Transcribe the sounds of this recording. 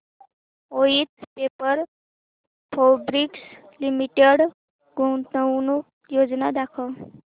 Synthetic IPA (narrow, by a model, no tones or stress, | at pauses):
oit̪pepəɾ | pʰobɾiks | limiʈeɽ | ɡʱot̪ənuk̚ | jod͡znad̪akʰə